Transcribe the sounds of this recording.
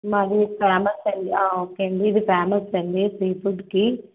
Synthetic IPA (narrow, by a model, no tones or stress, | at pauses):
mɐɾifaːmɐsɐɳɖ̪iaːoːkːeːɐɳɖiːd̪ifaːmɐsɐɳɖipɾeːbuɖki